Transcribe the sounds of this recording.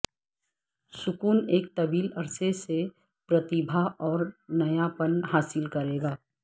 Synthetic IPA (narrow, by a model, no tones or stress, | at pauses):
sʊkuːneːk̚t̪ɐbiːlɐɾsese | pɾɐt̪ɪbʱaɔːɾnɐjapənɦaːsɪlkɐɾeːɡaː